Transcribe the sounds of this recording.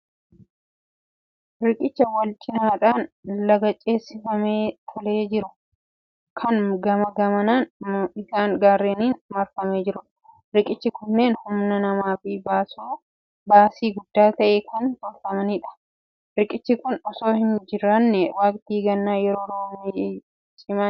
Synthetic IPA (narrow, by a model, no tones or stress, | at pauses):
ɾɪkʼɪt͡ʃːɐwɐlt͡ʃʼɪnaːᶑaːnlɐɡɐt͡ʃʼe̞ːsːɪfɐmeːt̪ʰɔle̞ːd͡ʒɪɾʊ | kʰɐnɡɐmɐɡɐmɐnaːnɪsaːŋɡaːrːeːniːnmɐɾfɐmeːd͡ʒɪɾʊᶑɐ̥ | ɾɪkʼɪt͡ʃːɪkʊnːe̞ːnhʊmnɐnɐmaːfiːbaːsuː | baːsiːɡʊd̪ːaːt̪ɐʔeːkʰɐnt̪ɔɾfɐmɐniːᶑɐ̥ | ɾɪkʼɪt͡ʃːɪkʊnɔsoːhɪnd͡ʒɪɾɐnːɛwaːkʼt̪iːɡɐnːaːjɛɾo̞ːɾoːmː | sʼɪma